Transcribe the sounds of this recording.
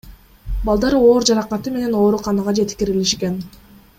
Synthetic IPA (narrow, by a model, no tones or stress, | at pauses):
bɑlˠd̪ɑɾo̞ːɾd͡ʒɑɾɑqɑt̪ɯme̞ne̞no̞ːɾuqʰɑnɑʁɑd͡ʒe̞t̪kʲiɾiliʃke̞n